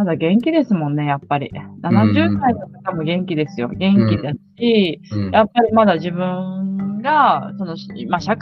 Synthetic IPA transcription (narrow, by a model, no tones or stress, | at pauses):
mad̪aɡẽ̞ŋkʲid̪e̞sɨmõ̞nːe̞japːaɾʲḭnanaʑɨːd̪ainot̪ḁk̪amo̞ɡẽ̞ŋkʲid̪e̞sɨjo̞̰ɡẽ̞ŋkʲid̪a | ijapːaɾʲimad̪aʑibɯ̟̃ŋɡaso̞no̞ɕmaɕak